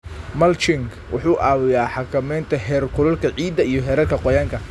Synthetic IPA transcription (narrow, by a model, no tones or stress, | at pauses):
mɐlt͡ʃɪŋɡ | wʔʊħuːʔaːwɪjaːħɑkʰɐmɛjnt̪ʰɐɦɛːrkʰʊlɐlkʰɐʕiːd̪ɐijɔɦɛɾɐrkʰɐqɔjaːŋkʰɐ